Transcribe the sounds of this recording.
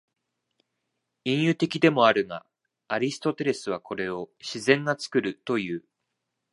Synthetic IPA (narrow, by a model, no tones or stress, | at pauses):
ĩɰ̃jɯ̟t̪e̞kʲid̪e̞mo̞aɾɯ̟ŋa | aɾʲisɨ̥t̪o̞t̪e̞ɾe̞sɨβ̞akʰo̞ɾe̞o̞ɕizẽ̞ŋɡat͡sɨ̥kɯ̟ɾɯ̟t̪o̞jɯ̟ː